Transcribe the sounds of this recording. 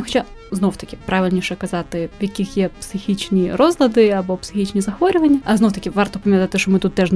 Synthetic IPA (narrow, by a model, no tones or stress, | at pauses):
ʊxɐt͡ɕa | znowt̪ɐkʲɪpɾaʋʲɪlʲnʲiʃɛkɐzɑt̪ɪʋjɐkʲixjɛpsɪxʲit͡ʃnʲirɔzlˠɐd̪ɪɐbɔpsɪ̥xʲit͡ʃnʲizɐxʋɔɾʲʊʋɐnʲːɐʔɐzowt̪ɐkʲɪʋɑrt̪ɔpɐmʲjɐt̪at̪ɪʃt͡ʃɔmɪt̪ut̪ːɛʐn